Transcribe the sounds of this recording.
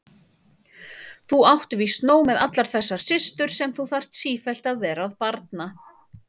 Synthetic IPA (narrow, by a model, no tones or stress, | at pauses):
θuawht̪ʏvist̪noːwmɛðat̪laɾ̥θɛɾsːaɾ̥sɪst̪ʏɾ̥sɛmθuθar̥t̪siːfɛl̥t̪aðvɛːɾaːðpaɾt̪̚na